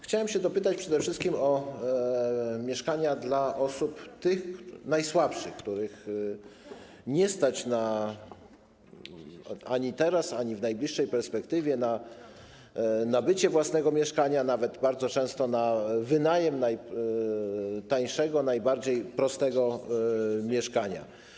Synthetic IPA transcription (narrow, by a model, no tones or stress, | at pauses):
xt͡ɕawɛmɕɛd̪ɔpɘt̪at͡ɕpʂɛd̪ɛfʂɘst̪kʲimɔ | mʲjɛʂkaɲad̪laʔɔsupt̪ɘxnajswapʂɘxkt̪uɾɘx | ɲɛst̪at͡ɕna | aɲit̪ɛɾasaɲivnajblʲiʂːɛjpɛɾspɛkt̪ɘvʲjɛna | nabɘt͡ɕɛvwasnɛɡɔmʲjɛʂkaɲanavɛd̪baɾd̪zɔt͡ʂɛ̃w̃st̪ɔnavɘnajɛmnaj | t̪aj̃ʂɛɡɔnajbaɾd͡ʑejpɾɔst̪ɛɡɔ | mʲjɛʂkaɲa̰